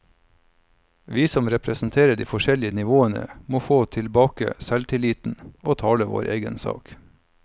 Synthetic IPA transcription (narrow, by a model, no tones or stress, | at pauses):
ʋiːsɔmɾɛpʰɾɛsn̩t̪ʰeːɾəɖḭːfɔʃɛlɪənɪʋoːənə̰moːfoːt̪ʰɪlbɑːkə̰sɛlt̪ʰɪliːt̪n̩oːt̪ʰɑːləʋo̰ːɾʔḛːɡə̰nsɑ̰ːk